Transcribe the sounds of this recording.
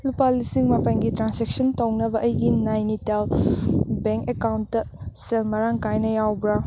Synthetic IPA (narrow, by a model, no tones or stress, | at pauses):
lupalisiŋmɐpʰɐnɡitɾansek̚sɐntɐwnɐbɐʔɐjɡinajnitel | beŋkekawnttɐ | selmɐɾaŋkajnɐjawbɾa